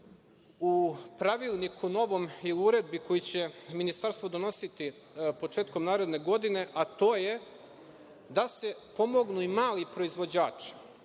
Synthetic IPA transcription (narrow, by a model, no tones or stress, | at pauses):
upɾaʋilnikʰuno̞ʋo̞miliuɾe̞d̪̚biko̞jit͡ɕe̞minist̪aɾst̪ʋod̪o̞no̞sit̪i | po̞t͡ʂeːt̪ko̞mnaːɾe̞d̪ne̞ɡo̞d̪ine̞ʔat̪o̞ːje̞ | d̪ase̞po̞mo̞ɡnuimaːlipɾo̞izʋo̞d͡ʑaːt͡ʂi̥